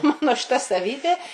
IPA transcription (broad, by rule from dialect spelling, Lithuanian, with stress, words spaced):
ˈmɑːnoː ʃʲɪˈtɐ sɐˈʋʲiːbʲeː